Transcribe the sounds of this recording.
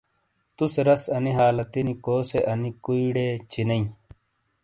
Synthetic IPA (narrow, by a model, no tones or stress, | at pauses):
t̪useɾɐsɐniɦaːlɐt̪inikoːseʔɐnikuiɽet͡ɕinɐĩ